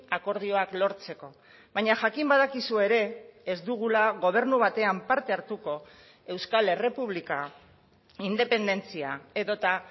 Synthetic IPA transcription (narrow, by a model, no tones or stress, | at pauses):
ako̞ɾð̞io̞aklo̞ɾt͡se̞ko̞ | βaɲaʝakimbaðakisue̞ɾe̞ːzd̪uɣulaɣo̞β̞e̞ɾnuβat̪e̞ampaɾt̪e̞aɾt̪uko̞ | e̞wskale̞re̞puβ̞lika | ind̪e̞pe̞nd̪e̞nt͡siae̞ðo̞t̪a